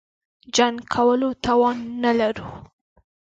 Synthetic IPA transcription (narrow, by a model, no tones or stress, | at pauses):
d͡ʒaŋkʰawəlot̪ɑwɑnːalaɾu